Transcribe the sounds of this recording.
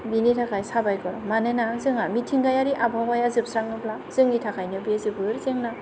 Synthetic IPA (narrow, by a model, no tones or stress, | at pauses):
binitʰakʰajsabajkɔɾɔmanenazɯŋamitʰiŋɡajaɾiʔabʱawajazɯp̚sɾaŋnɯpʰlazɯŋitʰakʰajnɯbizɯbɯɾzeŋna